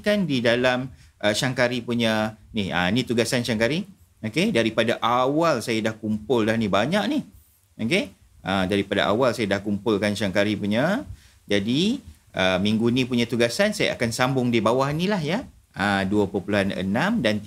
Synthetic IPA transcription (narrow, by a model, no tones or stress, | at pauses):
kandidalamʔəʃaŋkaɾipuɲaniha̰nit̪uɡasanʃaŋkaɾi | okedaɾipadaʔawalsajadahkumpʊldahnibaɲaʔnih | oke | ədaɾipada̰ʔa̰walsajadahkumpʊlkanʃaŋkaɾipuɲa | d͡ʒadi | ʔəmĩŋɡunĩpuɲãt̪uɡasansaja̰ʔa̰kansambʊŋdibawahnilahja | ʔəduəpəpuluɦanə̰nãmdant̪